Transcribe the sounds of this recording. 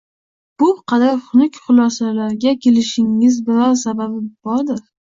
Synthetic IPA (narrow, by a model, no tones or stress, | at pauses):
b̥ʊqʰɑd̪aɾχʊnʊkʲχʊlˠɒsalaɾɡʲakʲʰe̞lɪʃɪŋːɪzbɪɾɒɾsababɪb̥ɒɾd̪ɪɾ